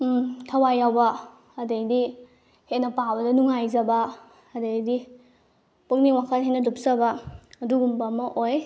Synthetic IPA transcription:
tʰɐwajawba | ɐdejdi | henɐpawbɐdɐnuŋajzɐbaː | dejdi | puk̚niwakʰɐt̚ɦenɐdup̚zɐbaɐduɡumbamɐʔoj

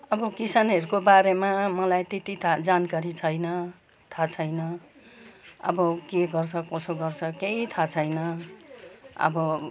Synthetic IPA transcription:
ʌbʌkisaneɾukobaɾemamʌlajt̪et̪it̪ʰad͡zankaɾit͡sʰʌjnʌ | t̪ʰat͡sʰʌjnʌ | ʌ̰bʌkeɡʌrt͡sʰʌkosoɡʌrt͡sʰʌkeit̪ʰat͡sʰʌjnʌ | ʌ̰bʌ

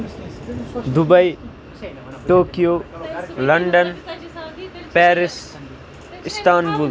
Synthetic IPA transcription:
d̪ubɐi | ʈoːkijoːlɐɳɖən | pɛːɾɪs | ɪst̪aːnbul

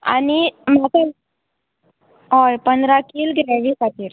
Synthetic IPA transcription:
a̰nimat̪əl | ɔɾpənd̪ɾakiːlɡɾɛʋiːsat̪iːɾ

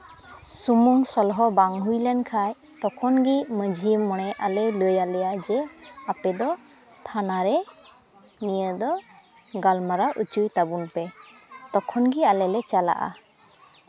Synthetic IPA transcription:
sumuŋsɔlɦɔbaŋɦujlɛnkʰaj | t̪ɔkʰɔnɡiməd͡ʒʱimɔɽ̃ɛʔalɛləjalɛjad͡ʒəapɛd̪ɔ | t̪ʰanaɾɛ | mijəd̪ɔ | ɡalmaɾaʔut͡ʃujt̪abunpɛt̪ɔkʰɔnɡialɛlɛt͡ʃala̰ʔa̰

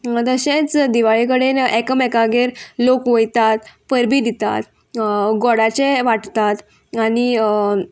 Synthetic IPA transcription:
d̪əɕẽt͡sd̪iʋaɭikəɽenɛkəmɛkaɡeɾlokʋəjt̪at̪pəɾbiːd̪it̪a̰t̪ | ɡɔɽat͡ɕeʋaʈt̪at̪ | añi

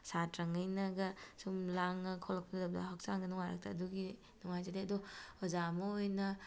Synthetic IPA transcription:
satɾɐŋɐjnɐɡɐsumlaŋːɐkʰolɐk̚pʰndɐb̚dɐ̰ɦak̚saŋdɐnuŋajɾɐ̰k̚tʰɐːduɡi | nuŋajzadeɐdɔɔzamɐojnɐ

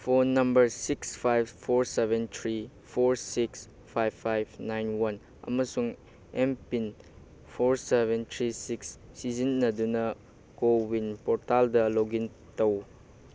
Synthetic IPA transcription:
pʰonɐmbɐɾsikspʰajbpʰoɾsebʱentʰɾi | pʰoɾsiks | pʰajbʰajb̚ʰnajnwɐn | ɐ̰mɐsuŋ | empin | pʰoɾsebentʰɾisiksːizinːɐdunɐ | kowinpɔɾtaldɐloɡin | tɐw

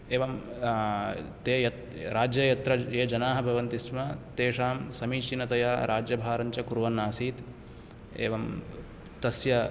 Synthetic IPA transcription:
eːʋɐm | t̪eːjɐt̪ | ɾaːd͡ʒjɐjɐt̪ɾɐeːd͡ʒɐnaːɦɐbʱɐʋɐnt̪ismɐt̪eːʂaːmsɐmiːt͡ʃinɐt̪ɐjaːɾʔaːd͡ʒjɐbʱaːɾɐɲt͡ʃɐkuɾʋɐnːaːsiːt̪ | ḛːʋɐm | t̪ɐsjɐ

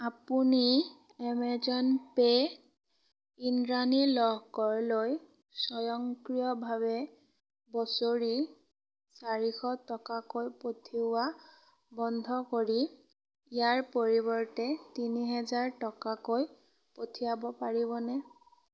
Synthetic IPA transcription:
apuni | ɛmɛzɔnpe | inɹanilɔɦɡɔɹloj | sɔjɔŋkɹijɔbʱaβɛ | bɔsoɹi | saɹixɔtɔkakojpotʰiʊwa | bɔndʱɔkoɹi | ijaɹpoɹibɔɹtɛtiniɦɛzaɹtɔkakoj | potʰijabɔpaɹibɔnɛ

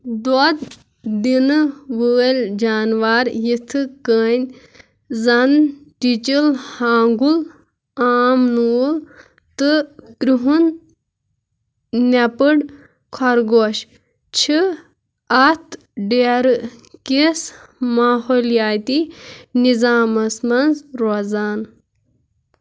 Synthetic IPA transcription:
d̪ɔd̪ | d̪inɨʋəːlʲd͡ʒaːnʋaɾjit̪ʰɨkəːnʲ | zɐnʈit͡ʃilhaːŋɡul | aːmnuːl | t̪ɨkɾuɦun | ɐpɨɖ | kʰɔɾɡoːʃ | t͡ʃʰi | ɐt̪ʰ | ɖeɾɨkesmaːɦoːljaːt̪inizaːmɐsmɐnzɾoːzaːn

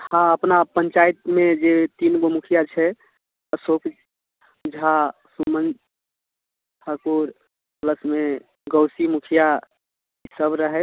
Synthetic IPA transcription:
hãəpnapəɲt͡ʃajt̪med͡ʒet̪inɡomukʰijat͡ʃʰɛ | əsok | d͡ʒʱasumən | tʰəkuɾ | pləsme | ɡəwsimukʰija | isəbɾəɦɛ

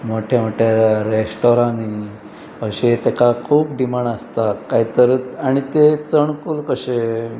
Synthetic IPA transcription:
moʈʰjamoʈʰjaɾesʈoɾãni | əɕet̪ekakʰuːpɖimaɳəst̪akaɦit̪əɾaɽ̃it̪et͡səɳkulkəɕe

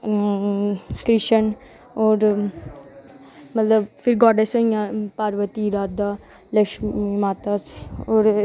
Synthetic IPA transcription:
kɾɪʃən | oːɾ | mət̪ləbfʰɪɾɡɔːɖesə̃ijãːpaːɾʋət̪iːɾaːd̪aː | ləʃmimaːt̪aːsoːɾ

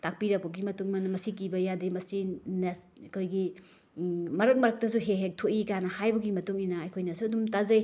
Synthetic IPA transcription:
tak̚piɾɐk̚bɐɡimɐtuŋmɐnmɐsikibɐjadimɐsines | kʰojɡi | mɐɾɐk̚mɐɾɐk̚tɐs̬uɦeɦek̚tʰoʔikanɐhajbɐɡimɐtuŋinɐɐjkʰojnɐsuɐdumtazɐj

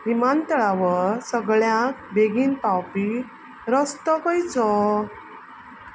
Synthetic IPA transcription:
ɾimant̪əɭaʋəɾsəɡɭjãk̚bʱeɡiːnpawpi | ɾəst̪ɔkɔjt͡sɔ

